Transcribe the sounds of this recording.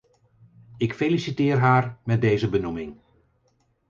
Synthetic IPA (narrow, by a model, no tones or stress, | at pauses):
ɪkfelisitɪːrɦaːrmɛt̚dejzəbənumɪŋ